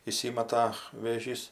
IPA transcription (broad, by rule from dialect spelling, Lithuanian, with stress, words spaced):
iːˈsʲiːmɐtɐ ʋʲeːˈʒʲiːs